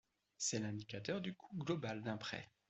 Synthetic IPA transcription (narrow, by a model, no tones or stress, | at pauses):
sɛlɛ̃d̪ikat̪œʁd̪ykʰuɡlɔbald̪ɛ̃pχɛ̰